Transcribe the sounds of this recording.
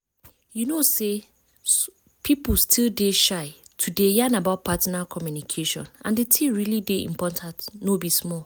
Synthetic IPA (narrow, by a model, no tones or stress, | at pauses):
junose | pʰip̩stʰildeʃaɪtʰudejanabaʊt̚pʰatinakʰɔmjunikʰeʃɔ̰̃nã̰ndetʰiɹilideḭ̃mpɔtʰãntnobismɔl